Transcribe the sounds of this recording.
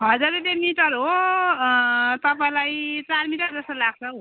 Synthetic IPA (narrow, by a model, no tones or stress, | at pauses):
ɦʌd͡zaɾed̪emiʈʌɾɦo | t̪ʌpaĩlajt͡sarmiʈʌɾd͡zʌsʌlaɡ̚t͡sʰʌ